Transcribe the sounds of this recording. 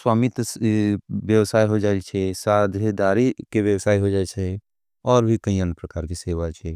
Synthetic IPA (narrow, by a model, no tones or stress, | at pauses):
swaːmit̪ | ʋjəwsaːiɦod͡ʒaːet͡ʃʰesaːd̪ʱed̪aːɾikeʋjəwsaːiɦod͡ʒaːet͡ʃʰɛ | ɔːɾbʱikɐĩə̃npɾɐkaːɾkiseːʋat͡ʃʰɛ